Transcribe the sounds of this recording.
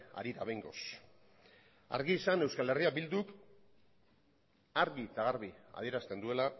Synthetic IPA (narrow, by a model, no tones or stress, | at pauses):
a̰ɾiɾa̰βejŋɡo̞̰s | a̰ɾɣiːsane̞wskale̞riabild̪uk | aɾɣit͡saɣaɾβia̰ð̞ie̞ɾast̪e̞nd̪ue̞la